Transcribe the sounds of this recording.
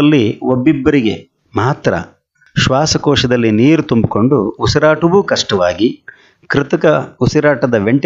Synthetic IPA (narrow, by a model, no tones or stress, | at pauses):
lːiobːibːɐɾiɡe̞ | maːt̪ɾɐ̰ | ʃʋaːsɐkɔːʃɐd̪ɐlːiniːɾut̪umbiko̞ɳɖuːsɐɾaːʈɐʋukɐʂʈɐʋa̰ːɡi | kɾɪt̪ɐkɐusɐɾaːʈɐd̪ɐʋe̞ɳʈ